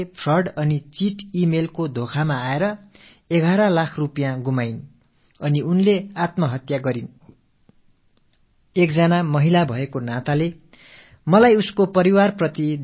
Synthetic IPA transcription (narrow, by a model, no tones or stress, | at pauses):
pʰrʌrɖʌnit͡siʈimelkod̪ʱokʰamaːeɾʌ | eɡʱaɾʌlakʰrupjãɡumajn | ʌniunleat̪mʌɦʌt̪jaɡʌɾin | ek̚d͡zʌnamʌɦilabʱʌekonat̪ale | mʌlajuskopʌɾiwarprʌt̪id̪